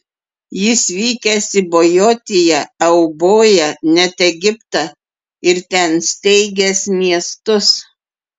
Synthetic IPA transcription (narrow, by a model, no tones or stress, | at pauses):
jɪsʋʲiːkʲɛsʲɪbojoːt̪ʲɪjɛɛʊboːjɛnʲɛt̪ɛɡʲɪpt̪ɑ | ɪɾt̪ʲɛnsʲt̪ʲɛɪɡʲɛsmʲiɛst̪ʊs